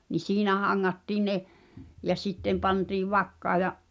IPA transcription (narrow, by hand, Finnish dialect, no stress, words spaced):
ni siːnæ hɑŋːɑtːiː ne jɑ sitːem pɑntiːʋ ʋɑkːɑː jɑ